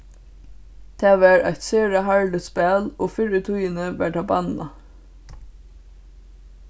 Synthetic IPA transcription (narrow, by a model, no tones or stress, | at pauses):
t̪ʰæːʋæːɹʔæ̰ɪt̪sœːɹəhɑɹləspeːloːfʏɾət̪ʰuːənəʋæːʈʰɑːbɑnɑ̰